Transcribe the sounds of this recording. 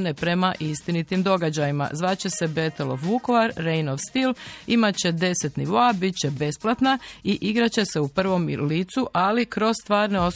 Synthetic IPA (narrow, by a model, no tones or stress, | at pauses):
nepɾe̞maʔist̪init̪imd̪o̞ɡad͡ʑajima̰zʋat͡ɕe̞se̞be̞t̪elo̰fʋuko̞ʋaɾːejnofst̪ilimat͡ɕe̞d̪e̞se̞t̪niʋo̞abit͡ɕe̞be̞splˠat̪naiʔiɡɾat͡ɕe̞se̞upr̩ʋo̞mliːt̪suʔalikɾo̞zst̪ʋaːɾneo̞s